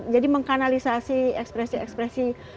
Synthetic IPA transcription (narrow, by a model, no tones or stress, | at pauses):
d͡ʒadiməŋkanalisasiɛkspɾɛsiɛ̰kspɾɛsi